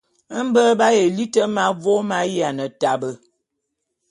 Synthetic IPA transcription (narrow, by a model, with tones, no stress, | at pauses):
m̩˦bə˦ba˦je˨li˦tə˦ma˦vo˦ma˦ja˨nə˨ta˨bə˨